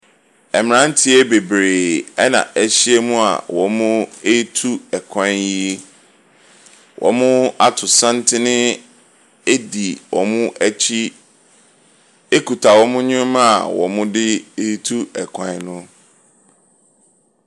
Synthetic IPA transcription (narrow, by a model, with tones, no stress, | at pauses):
ɛ˨mɪ̃˨ɾã˦n˦tʰɪ˦e˦be˨bɾeː˨ɛ˦nã̰˨ʔæ˦ɕi˦e˦mũ˦a̰˨wɔ̰˨mʊ̃˦e˦i˦tʰu˦ɛ˨kʰã˦ji˦ | wʔɔ̰˨mʊ̃˦a˦tʰʊ˨sã˦n˦tʰɪ˦nɪ̃˦ | e˦di˨wɔ̰˨mʊ̃˦ʔæ˦t͡ɕʰi˦ | e˦kʰu˨tʰa˨wɔ˦mʊ̃˦ɲĩ˦mã˦a˨wɔ̰˨mʊ̃˦dɪ˦e˦i˦tʰu˦ɛ˨kʰã˨˦nʊ̃˦